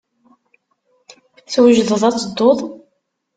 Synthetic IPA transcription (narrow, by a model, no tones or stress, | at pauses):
θwəʒðəðˤɑt͡sːəd̪ˤːoðˤ